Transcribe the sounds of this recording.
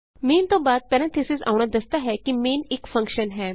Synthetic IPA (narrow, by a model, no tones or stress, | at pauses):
meːnt̪õːbaːd̪̚pɛɾɛ̃nt̪ʰɪsɪza̰ːʊɳ̃ad̪ɐst̪aɦɛkimeːnɪkfɐ̃ŋkʃənɦɛː